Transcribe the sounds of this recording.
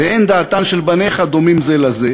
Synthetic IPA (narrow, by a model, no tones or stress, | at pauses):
eʔend̪aːt̪anʃelbaneχad̪o̞mimzelaze